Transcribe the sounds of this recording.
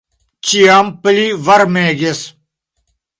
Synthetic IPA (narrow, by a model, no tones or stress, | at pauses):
t͡ɕijaːmpɨliʋɐɾmẽːɡes